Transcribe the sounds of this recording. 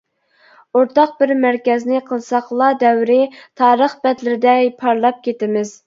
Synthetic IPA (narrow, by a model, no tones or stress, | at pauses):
oɾt̪ɑq̚bɪɾmæɾkʲɛznɪqʰəlˠsɑχlˠɑd̪ɛwɾɪt̪ʰɑːɾəχbɛt̪lɪɾɪd̪ɛjpʰɑɾlˠɑp̚kʲet̪ɪmɪz̥